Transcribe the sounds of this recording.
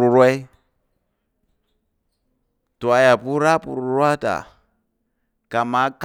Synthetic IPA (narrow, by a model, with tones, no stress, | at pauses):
u˨ɾwɛ˦ | tu˨a˨ja˨pu˦ɾa˦pṵ˨ɾu˨ɾwa˦ta̰˨ | ka˨ma˨˦k